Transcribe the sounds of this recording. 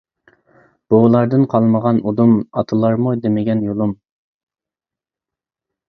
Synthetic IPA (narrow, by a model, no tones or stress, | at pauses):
b̥olˠɑɾd̪ɨnqʰɑlˠməʁɑnud̪umɑt̪ʰɨlˠɑɾmud̪emɪɡʲɛnjolˠum